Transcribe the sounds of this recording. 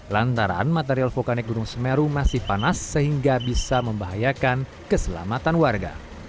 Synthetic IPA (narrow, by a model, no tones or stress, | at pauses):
lant̪aɾa̰nmat̪eɾialfokanɪk̚ɡuɾuŋsəmɛɾumasɪhpanasːəɦiŋɡabisaməmbaɦajakan | kəsəla̰mat̪anwarɡa̰